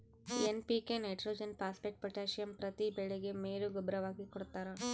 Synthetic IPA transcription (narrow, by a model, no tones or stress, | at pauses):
enpikenɐjʈɾoːd͡ʒɐnpaːspeʈ̚pɐʈaːʃijɐmpɾɐt̪ibɛɭeɡemeːɾuɡɔbɾɐʋaːɡikɔɽut̪ːaːɾɐ